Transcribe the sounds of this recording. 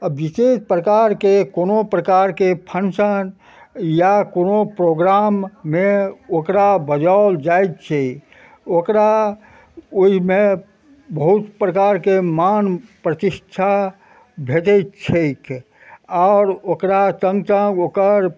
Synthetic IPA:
əbʋisespɾəkaɾkekoːnopɾəkaɾkepʰənsən | jakonopɾoɡɾamːẽokɾabəd͡ʒaʊld͡ʒait̪t͡ʃʰe | okɾa | oimẽ | bəɦut̪pɾəkaːɾkemanpɾət̪ɪʃʈʰa | bʱet̪ɛt̪t͡ʃʰek | aːɾokɾasə̃ŋɡsə̃ŋɡokəɾ

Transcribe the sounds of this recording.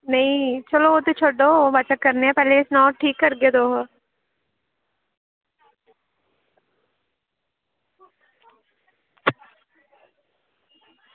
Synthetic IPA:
nɐĩt͡ʃɐloot̪et͡ʃʰoɖoɦbɐt͡ʃəkkɐɾneɦɛ̃pɛːleɪsnaːʈʰiːkːɐɾɡed̪oːɦo

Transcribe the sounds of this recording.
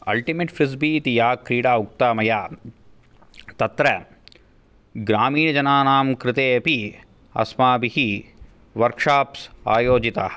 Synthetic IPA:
ɐ̰lʈimeːʈfɾis̬biːt̪ijaːkɾiːɽaːuk̚t̪aːmɐjaː | t̪ɐt̪ɾɐ | ɡɾaːmiːɳɐd͡ʒɐnaːnaːmkɾɪt̪eːɐpi | ɐ̰smaːbiɦi | ʋɐɾkʂaːpsa̰ːjoːd͡ʒit̪a

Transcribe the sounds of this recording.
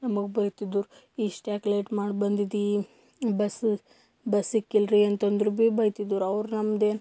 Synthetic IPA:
nɐmɐɡebɐjt̪id̪ːuɾ | iːʂʈaːklejʈmaːɖbɐnd̪id̪i | bɐs | bɐsikːilɾiɐnt̪ɐnd̪ɾubiːbɐjt̪id̪uɾɐʋɾnɐmd̪eː

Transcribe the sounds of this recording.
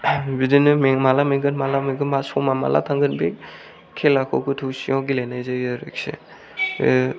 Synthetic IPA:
bidinɯmeŋmalameɡɯnmalameŋɡɯmasɔmama̰lʔa̰tʰaŋɡɯnbe | kʰelakʰowkʰutʰusiɔwɡilajnajzajɯɾɯ̰ksḛ

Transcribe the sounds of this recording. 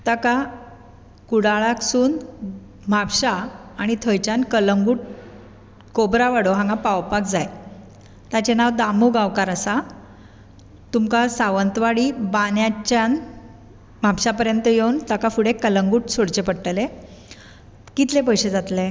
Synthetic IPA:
t̪aka | kuɽaɭaksuːn | m̤apɕaːɽ̃it̪ʰəjt͡ɕankələŋɡuːʈ̚ | kobɾaʋaɽoɦãŋɡapawpakd͡zaj | t̪at͡ɕenaʋd̪amuɡaʋkaɾəsa | t̪umkasaʋənt̪ʋaɽibanjat͡ɕan | m̤apɕapəɾjənt̪əjewnt̪akafuɽekələŋɡuːʈsoɽt͡ɕepəɽʈəle | kit̪lep̬əjɕed͡zat̪le

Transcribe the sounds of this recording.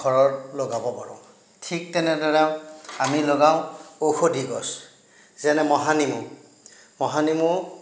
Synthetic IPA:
ɡʱɔɹɔɹloɡabɔpaɹɔ̰̃ | tʰik̚tɛnɛdɔɹɛamiloɡaʊ̃oxodiɡɔs | zɛnɛmɔɦanimu | mɔɦanimu

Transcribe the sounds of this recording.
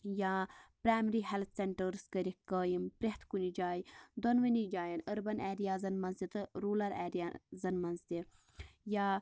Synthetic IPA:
jaːpɾaːjmɾiːɦɛlt̪ʰseɳʈəɾskəɾikəːjimpɾeht̪ʰkunid͡ʒaːjid̪ɔnʋənid͡ʒaːjɐnəɾbɐnɛːɾijaːzɐnmɐnzt̪it̪ɨɾuːlɐɾɛ̰ːɾazɐnmɐnzt̪ʲe | jaː

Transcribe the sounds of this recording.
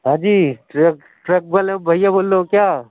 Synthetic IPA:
ɦãːd͡ʒiːʈɾek | ʈɾɐk̚bəlẽbʱɐijaboːlːokjaː

